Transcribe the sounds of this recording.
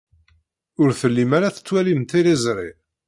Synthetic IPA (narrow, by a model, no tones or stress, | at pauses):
ʊɾθəlːimaɾaθə̥t͡sːwælimt̪ilizɾˤḭ